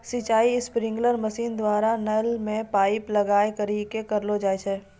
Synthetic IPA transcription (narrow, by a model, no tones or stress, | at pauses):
sit͡ʃaːiɪspɾɪ̃ŋɡləɾməsiːnd̪waːɾanəlmẽpaːɪplɐɡaːekəɾikekəɾlod͡ʒaːet͡ʃʰɛː